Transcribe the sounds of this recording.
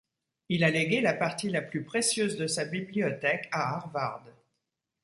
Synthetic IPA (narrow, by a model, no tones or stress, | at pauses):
ilaleɡʲelapaʁt̪ilaplypχesjøzd̪əsabibliɔt̪ɛkaːʁvaʁd̪